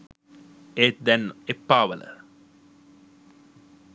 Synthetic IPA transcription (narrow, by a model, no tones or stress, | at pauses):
eːt̪̚d̪ɛnːepːaːʋə̰lə̰